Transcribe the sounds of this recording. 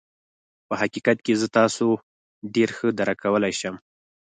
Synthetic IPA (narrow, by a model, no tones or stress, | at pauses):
pəhakikat̪kezət̪ɑso | ɖeɾxəd̪aɾakawəlajʃəm